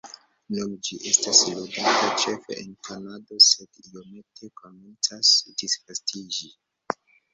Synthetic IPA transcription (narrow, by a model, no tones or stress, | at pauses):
numd͡ʒiʔe̞stasluɡatat͡ʃe̞fḛʔenkanadose̞dio̞me̞tʰe̞ko̞ment͡sasd̥isfastid͡ʒi